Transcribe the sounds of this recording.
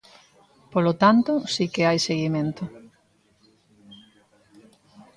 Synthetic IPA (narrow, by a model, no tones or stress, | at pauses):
polot̪ant̪ʊsikɪajseɣimẽnt̪ʊ